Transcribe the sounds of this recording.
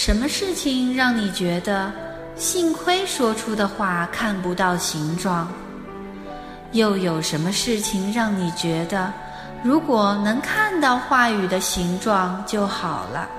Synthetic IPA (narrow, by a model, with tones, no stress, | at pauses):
ʂə˧˥nmə˧ʂɻ̩˥˩t͡ɕʰi˨˩ŋɻɑ˥˩ŋni˨˩t͡ɕɥɛ˧˥d̪ə˧ | ɕi˥˧ŋkʰwe˥ɪʂwɔ˥ʈ͡ʂʰu˥d̪ə˨xwa˥˩kʰa˥˩npu˧˥t̪ɑ˥˩ʊɕi˧˥ŋʈ͡ʂwɑ˥˩ŋ | jo˥˩ʊjo˨˩ʊʂə˧˥nmə˧ʂɻ̩˥˩t͡ɕʰi˨˩ŋɻɑ˥˩ŋni˨˩t͡ɕɥɛ˧˥d̪ə˧ | ɻu˧˥kwɔ˨˩nɤ˧˥ŋkʰa˥˧nt̪ɑ˥˧ʊxwa˥˩y˨˩d̪ə˦ɕi˧˥ŋʈ͡ʂwɑ˥˧ŋt͡ɕjo˥˩ʊxɑ˨˩ʊlə̰˦